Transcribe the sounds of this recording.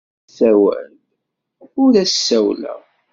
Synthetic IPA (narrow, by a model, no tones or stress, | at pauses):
θæwæ̰l | ʊɾæsːæwlæ̰